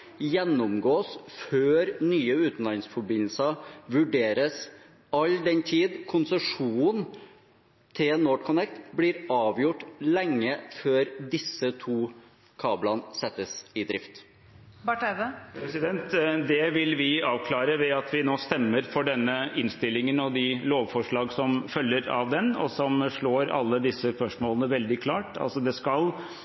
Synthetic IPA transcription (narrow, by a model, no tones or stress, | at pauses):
jɛnːɔmɡoːsføːɾnyːəʉːt̪n̩lɑɪŋsfɔbɪnl̩sɑʋʉɖeːɾəs | ɑld̪ɛnt̪ʰiːd̪kʰʊnsəʂuːn | t̪ʰɪlːnːoːʈkʰʊnɛkt̪blɪɾɑːʋjʊʈːlɛŋːəføːɾd̪ɪsːət̪ʰuː | kʰɑːblɑnsɛt̪ːəsɪd̪ɾɪft̪ | bɑʈdəpʰɾɛsɪd̪ɛnt̪d̪ɛʋɪlʋɪɑːʋkʰlɑːɾəʋɛɑt̪ʰʋɪnoːst̪ɛmːəɾfɔɖɛnːəɪnst̪ɪlːɪŋənɔd̪ɪloːʋfɔʂɭɑːɡsɔmfœlːəɾɑ̰ʋd̪ɛnɔ̰sɔmʂɭoːɾɑ̰lːəd̪ɪsːəspœʂmoːlənəʋɛld̪ɪkʰlɑːʈɑ̰lsɔd̪ɛskɑl